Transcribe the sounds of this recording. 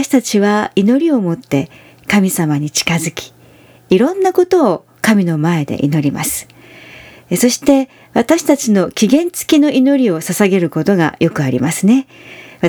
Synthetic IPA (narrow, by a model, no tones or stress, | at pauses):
ɕi̥t̪at͡ɕiβaino̞ɾʲio̞mo̞t̪ːe̞ | kamʲisamaɲ̟it͡ɕi̥kazɨkʲi̥ː | ɾõ̞nːako̞t̪o̞ː | kamʲino̞mae̞d̪e̞̰ʔḭno̞ɾʲima̰sɨ̥ | so̞ɕi̥t̪e̞ | βat̪aɕi̥t̪at͡ɕino̞kʲiɡẽ̞nt͡sɨ̥kʲino̞ʔino̞ɾʲio̞sasaɡe̞ɾɯ̟ko̞t̪o̞ɡa̰jo̞kɯ̟aɾʲḭmasɨne̞